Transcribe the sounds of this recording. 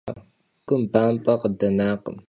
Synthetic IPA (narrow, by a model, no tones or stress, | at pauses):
kʷʼʊmbaːmpʼɐqədɐnaːqə̰m